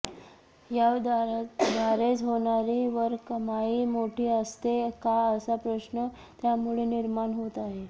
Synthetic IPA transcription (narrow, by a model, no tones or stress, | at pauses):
jad̪d̪ʱaɾet͡sɦoɳ̃aɾiʋəɾkəmaiːmoʈʰiːəst̪ekaəsapɾəɕnə | t̪jamuɭeniɾmaɳɦot̪aɦe